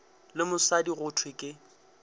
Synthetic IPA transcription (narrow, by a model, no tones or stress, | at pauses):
lɪmʊsadiɣʊtʰwɪkʼɪ